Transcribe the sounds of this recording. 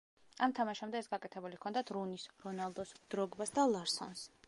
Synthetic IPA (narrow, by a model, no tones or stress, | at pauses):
amt̪ʰamaʃamd̪ɛːsɡakʼɛt̪ʰɛbulikʰɔnd̪at̪ʰɾunisɾɔnalˠd̪ɔsd̪̥ɾɔɡbasd̪alˠaɾsɔ̰ns